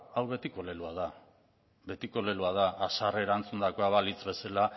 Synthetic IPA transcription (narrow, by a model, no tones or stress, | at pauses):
awβe̞t̪iko̞le̞luað̞a | βe̞t̪iko̞le̞luaðaʔːsare̞ɾant͡sund̪ako̞aβalit͡sβe̞sala